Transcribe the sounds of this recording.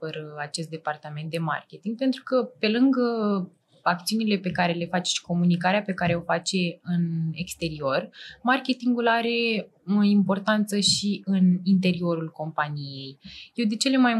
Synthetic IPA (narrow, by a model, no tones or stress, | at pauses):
əɾəat͡ʃe̞st̪d̪e̞part̪ament̪̚d̪e̞ma̰rkʲe̞t̪iŋɡ̥̚pe̞nt̪ɾukəpe̞lɨŋɡə | ak̚t̪siunile̞pe̞kaɾe̞le̞fat͡ʃe̥ʃi̥ko̞munikaɾeape̞kaɾe̞o̞fat͡ʃe̞ɨnekst̪e̞ɾio̞rmarkʲe̞t̪iŋɡulaɾe̞ | oimpo̞rt̪ant̪səʃiɨnint̪e̞ɾio̞ɾulko̞mpanije̞jjewd̪it͡ʃe̞le̞maj